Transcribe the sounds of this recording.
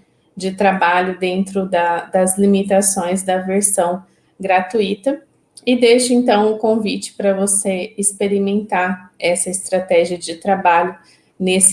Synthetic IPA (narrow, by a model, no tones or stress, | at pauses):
d͡ʒɪt̪ɾabaʎʊd̪ẽnt̪ɾʊd̪ɐd̪ɐzlimit̪asõj̃zd̪ɐveɾsɐ̃w̃ | ɡɾat̪uit̪ɐ | ɪd̪eʃʊẽnt̪ɐ̃w̃ʊkõvit͡ʃɪ̥pɾɐvoseɪspeɾimẽnt̪aɾɛsɐɪst̪ɾat̪ɛʒiɐd͡ʒɪt̪ɾabaʎʊ | nesɪ